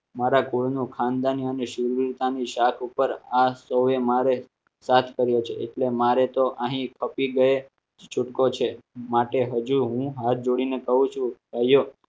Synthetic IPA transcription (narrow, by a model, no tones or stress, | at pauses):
maɾakoɭnũkʰãnd̪aniəneʃuɾʋɾt̪aniʃakʰupəɾasəwemaɾe | sat̪ʰkəɾjot͡ʃʰḛeʈlemaɾet̪oʔə̃ɦĩkʰəpiɡəe | t͡ʃʰʊʈkot͡ʃʰemaʈeɦəd͡ʒuɦũɦaɾ̚d͡ʒoɽinekəɦũt͡ʃʰũkaijo